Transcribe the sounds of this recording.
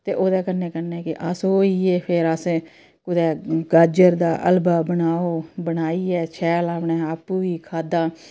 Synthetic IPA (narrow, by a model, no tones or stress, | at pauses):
t̪eːʔoːd̪ɛːkənːẽːkəneːkɪʔəsoːiːeːpʰeɾəsẽː | kʊd̪ɛːɡəd͡ʒəɾd̪aːʔə̰lbaːbənaːoːbənaːiːɛːt͡ʃʰɛːlaːpɳeːaːpuːʋiːkʰaːd̪ãː